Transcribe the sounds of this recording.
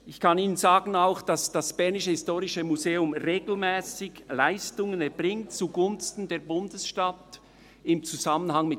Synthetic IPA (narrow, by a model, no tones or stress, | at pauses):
ɪçkʰɑniːnənzaːɡn̩aʊxd̥ɑsd̥asb̥ɛɐnɪʃəhɪstoːʁɪʃəmuzeːʊmʁeːɡ̥l̩mɛːsɪɡlaɪstʊŋənɛɐbʁɪŋtt͡suɡʊnstn̩deːɐbʊndəsʃtat | ɪmt͡suz̥amənɦaŋmɪ